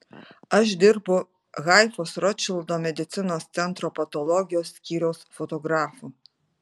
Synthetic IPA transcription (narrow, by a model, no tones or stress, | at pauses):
ɐʃd̪ʲɪɾbʊ | ɣɑjfoːsɾɔt͡ʃʲɪlˠd̪omʲɛd̪ʲɪt̪sʲɪnoːst̪sʲɛnt̪ɾoːpɐt̪ɔlˠɔɡʲɪjoːsːʲkʲiːɾʲɛʊsfot̪ɔɡɾɑːfu